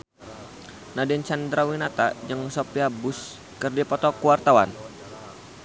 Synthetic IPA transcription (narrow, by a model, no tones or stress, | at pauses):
nadɛnt͡ʃand̪ɾawinat̪ad͡ʒəŋsɔpiabus | kɨrdipɔt̪ɔkuwart̪awa̰n